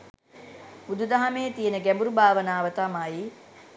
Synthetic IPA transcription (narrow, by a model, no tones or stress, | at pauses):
bud̪ud̪aɦameːt̪ijenəɡæmbuɾubʱaːʋənaːʋət̪amaji